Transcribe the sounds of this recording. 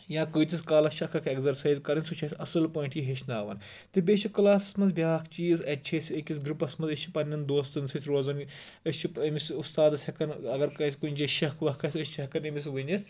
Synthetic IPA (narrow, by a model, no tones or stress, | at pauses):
jãːkəːt̪iskaːlɐst͡ʃʰɐkʰɐkʰeɡzɐɾsaːjzkɐɾinʲsut͡ʃʰɐsʲʰɐsɨlpoːiɳʈʰjiɦet͡ʃʰnaːʋɐn | t̪ɨbʲeːt͡ʃʰikɨlaːsɐsmɐnzbʲjaːkʰt͡ʃiːzɐt͡ʃʰesʲiekʲisɡɾupɐsmɐnzɐsʲt͡ʃʰi̥pɐnʲːɐnd̪oːst̪ɨnsʰɨt̪ʲʰɾoːzɐnəsʲt͡ʃʰipɐmisust̪aːd̪ɐsʲɐkɐnɐɡɐɾkɐːsʲkunʲd͡ʒɐʃɐkʰʋɐɦkʰɐsʲɐsʲt͡ʃʰiɐkɐnɐmis̬ʋɨnʲɐs